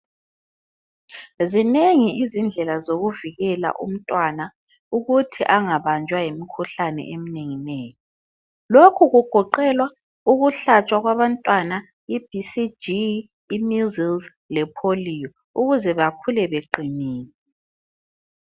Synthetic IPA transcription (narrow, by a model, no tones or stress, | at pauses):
zineŋiʔizind͡ɮʱɛlazoɣuviɣɛla̰ʔṵm̩tʼwana | uɣutʰiʔaŋaβand͡ʒʱwajemikʰuɬanɛ̰ʔemineŋineːjɔ | lokʰuɣuɡ̥ʱɔǃɛlwa | uɣuɬat͡ʃʼwaɣwaβantʼwana | ib̥ʱisid͡ʒiː | muzilz | lɛpʰoliːjɔ | uɣuzɛβakʰulɛβeǃiniːni